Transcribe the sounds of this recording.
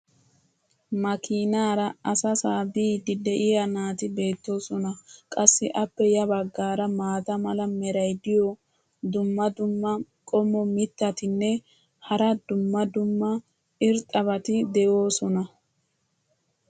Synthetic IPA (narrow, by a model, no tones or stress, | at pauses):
mɐkiːnaːɾɐɐsɐsaːbiːd̪ɪd̪ɛʔɪjɐnaːt̪ɪbe̞ːt̪ːo̞ːsɔnɐkʼɐsːɪʔɐpːɛjɐbɐɡːaːɾɐmaːt̪ɐmɐlɐmɛɾɐjd̪ɪjɔ | d̪ʊmːɐd̪ʊmːɐkʼɔmːɔmɪt̪ːɐt̪ɪnːɛ | hɐɾɐd̪ʊmːɐd̪ʊmːɐ | ɪɾt̪ʼɐβɐt̪ɪd̪ɛʔo̞ːsɔnɐ